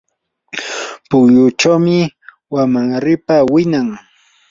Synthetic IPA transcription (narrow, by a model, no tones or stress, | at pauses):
pʊkjʊt͡ʃawmɪ | wamaŋɾɪpawɪnaŋ